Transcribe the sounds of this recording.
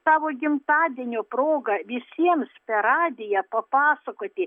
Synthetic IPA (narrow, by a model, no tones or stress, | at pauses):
sɑːʋoːɡʲɪmt̪ɑːd̪ʲiɛnʲoːproːɡɐʋʲɪsʲiɛmspʲɛɾɑːd̪ʲɪjɛpɐpɑːsɐkoːt̪ʲɪ